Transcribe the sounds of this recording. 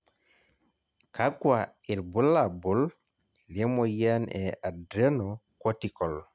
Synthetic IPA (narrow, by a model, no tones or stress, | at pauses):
kakwa | iɾbulːabul | limɔjanɛʔadɾenɔkotikɔl